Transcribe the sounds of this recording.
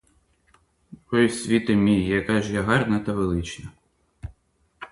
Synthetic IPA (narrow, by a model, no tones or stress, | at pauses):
pɔjsʲʋʲit̪ɐmʲijjɐkɑʒjaɦɑrnɐt̪ɐʋelˠɪt͡ʃnɐ